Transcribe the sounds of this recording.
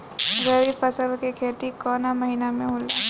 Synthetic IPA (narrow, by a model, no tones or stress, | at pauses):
ɾɐɾipɐsəlkekʰeːt̪ikɔːnamɐɦinamẽɦʊla